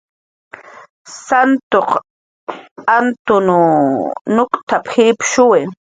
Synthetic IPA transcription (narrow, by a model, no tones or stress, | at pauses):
sant̪oq | ant̪ʊnʊ | nʊkt̪aphipʃʊwe